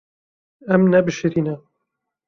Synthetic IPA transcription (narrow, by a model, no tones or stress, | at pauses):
ɛmnɛbɨʃɨɾiːnɛ